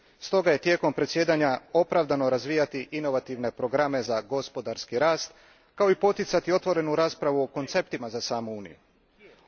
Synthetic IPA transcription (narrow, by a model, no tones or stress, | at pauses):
st̪o̞ɡaje̞t̪je̞ːko̞mpɾesje̞ːd̪aɲao̞pɾaʋd̪ano̞ɾazʋiːjat̪iʔino̞ʋat̪iʋne̞pɾo̞ɡɾame̞zaɡo̞spo̞d̪aɾskiɾaːst̪ | kao̞ipo̞t̪it̪sat̪io̞t̪ʋo̞ɾe̞nuɾaːspɾaʋuoko̞nt̪se̞p̚t̪imazasaːmuuːnḭjṵ